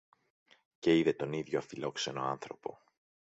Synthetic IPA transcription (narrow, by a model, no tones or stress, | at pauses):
ce̞iðet̪o̞niðʝoɐfilo̞kse̞no̞ɐnθɾo̞po̞̰